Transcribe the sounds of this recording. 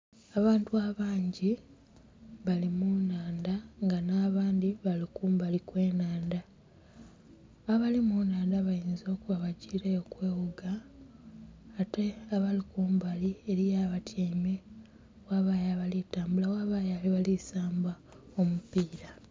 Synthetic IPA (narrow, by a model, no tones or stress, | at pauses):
aβaːntuaβaːɲɟi | βalimunaːndaŋɡanaːβaːndiβalikuːmbalikwe̞ːnaːnda | aβalimunaːndaβajiːnzo̞ːkuβaβaɟiːɾejokwe̞ːwuɡa | te̞aβalikuːmbalieɾijaːβatʰeːme | waːβaːjaβalitaːmbulawaβajaliβalisaːmba | o̞mupiːɾa